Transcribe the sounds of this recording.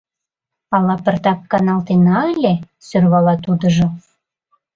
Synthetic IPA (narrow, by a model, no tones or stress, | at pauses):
ɑlɑpə̆rt̪ɑp̚kɑnɑlt̪enɑelʲe | sørβɑlɑt̪ud̪ə̆ʒŏ